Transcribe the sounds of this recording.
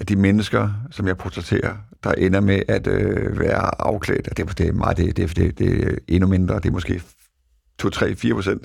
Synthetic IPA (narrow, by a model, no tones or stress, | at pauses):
æd̥imenəsɡ̥ɐsɒ̽mjɑ̈ɪpʰot͡sʰɛt͡sʰe̝̰ːɐd̥ɑ̈ʔenɐmeʔæd̥øʋæːɐɑ̈ʊkʰlɛ̰ːd̥ɒd̥e̝md̥e̝mɑ̈ːð̩ˠd̥ed̥ed̥e̝d̥e̝ʔe̝nume̝nd̥ʁɐd̥e̝ɐmɔsɡ̥e̝̰ː | t͡sʰot͡sʰʁɛ̰ːfiːɐpʰʁosen̰d̥